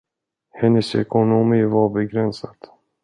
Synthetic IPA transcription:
hɛnːəsɛ̰kʊnʊmiːvaɾbɛɡɾɛnsad̪̥

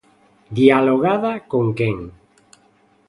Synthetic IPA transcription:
d̪jaloɣaðakoŋkeŋ

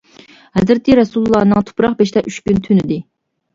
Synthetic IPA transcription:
hɛzɾɪt̪ʰiɾɛsulˠlˠːɑːnɨŋt̪ʰʊ̥pɾɑχbeʃt̪ɛʔyt͡ʃkʲynt̪ʰynɪd̪ɪ

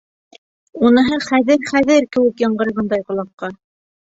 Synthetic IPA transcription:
unɤ̆ɦɤχæðɘɾχæðɘɾkɘ̆wɘkjɑɴɢɤ̆ɾɤʁɤnd̪ɑjqŏlˠɑqːɑ

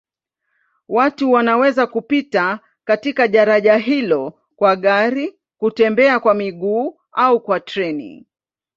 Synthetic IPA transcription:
watuwanawɛzakupita | katikaɗaɾaʄaɦilɔ | kwaɠaɾi | kutɛmbɛakwamiɠuː | aukwatɾɛnḭ

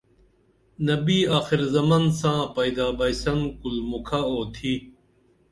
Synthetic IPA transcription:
nɐbiːaːxiɾzɐmɐnsãːpɐjd̪aːbɐjsɐŋkulmukʰaoːt̪ʰi

